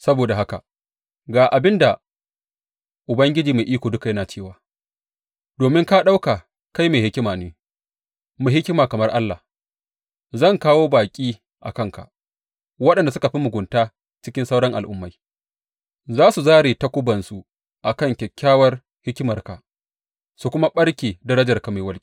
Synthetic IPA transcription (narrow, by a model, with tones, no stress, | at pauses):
sɐ˦boː˨da˨ɦa˦ka̰˨ | ɡaː˨ʔa˨bɪ˦nda˨ | ʔʊ˨bɐ˦ŋɡʲɪ˦d͡ʒiː˨ma˨ʔiː˦kʷoː˨dʊ˦ka˨jɐ˦naː˨t͡ʃeː˦˨waː˨ | d̥oː˨mɪ˦ŋka˦ɗa˦wkaː˨ | ka˦jmeː˨hɪ˦kʲɪ˦maː˨neː˦ | mʊ˨ɦɪ˦kʲɪ˦maː˨kɐ˨mɐ˦rʔa˦lːa˨ | zɐ˦˨ŋkaː˦woː˦baː˨kʲʼiː˦ | ʔa̰˨kɐ˦ŋka̰˨ʔ | wɐ˦ɗɛ˨nda˨s̬ʊ˦ka˨ɸi˦mʊ˨ɡʷʊ˨ntaː˦ | t͡ʃɪ˦kʲɪ˦nsa˦wɽɐ˦ŋʔa̰˨lʔʊ̰˦mːa˨˦j | zaː˦su˨zaː˦ɽeː˨ta˦kʷʊ˦bɐ˨nsu˨ | ʔa˨kɐ˦˨ŋkʲɛ˨kʲːaː˦wɐ˦r | hɪ˦kʲɪ˦mɐ˨rka˨ | su˨kʷʊ˦ma˦ɓɐ˦ɽkʲeː˨dɐ˦ɾɐ˦d͡ʒɐ˨rka˨ma˨jwɐ˦lkʲi˦